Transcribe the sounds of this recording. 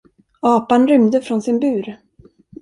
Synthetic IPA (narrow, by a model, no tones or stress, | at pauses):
ɑːpanɾʏmd̪əfɾɔnsɪnbʉ̟ːɾ